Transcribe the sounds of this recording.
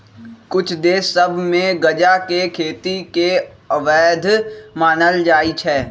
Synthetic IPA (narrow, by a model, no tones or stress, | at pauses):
kʊt͡ʃʰd̪eːsɐbʱmẽɡɐd͡ʒakekʰeːt̪ik̪eɐʋɛːd̪ʱmaːnəld͡ʒaːit͡ʃʰɛː